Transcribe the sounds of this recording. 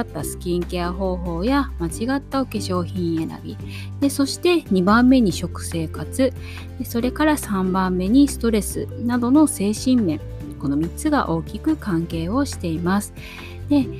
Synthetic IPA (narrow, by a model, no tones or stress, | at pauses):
at̪ːasɨ̥kʲĩŋkʲeaɦo̞ːɦo̞ːjamat͡ɕiɡat̪ːaoke̞ɕo̞ːçĩɰ̃e̞ɾa̰bʲi | d̪̥e̞so̞ɕi̥t̪e̞ɲ̟ibãmːe̞ɲ̟iɕo̞kɯ̟̥se̞ːkat͡sɨ | eso̞ɾe̞kaɾasãmbãmːe̞ɲ̟isɨ̥t̪o̞ɾe̞sɨnad̪o̞no̞se̞ːɕĩmːẽ̞ŋ | ko̞no̞mʲit̪t͡sːɨɡa̰ʔo̞ːkʲikɯ̟kãŋke̞ːo̞ɕi̥t̪e̞imasɨ̥ | d̪̥e̞